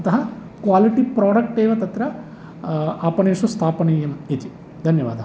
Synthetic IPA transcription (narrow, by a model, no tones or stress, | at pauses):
t̪ɐɦɐ | kʋaːliʈipɾaːɽɐk̚ʈeːʋɐt̪ɐt̪ɾɐ | aːpɐneːʂust̪ʰaːpɐneːjɐmit̪i | d̪ʱɐnjɐʋa̰ːd̪ɐ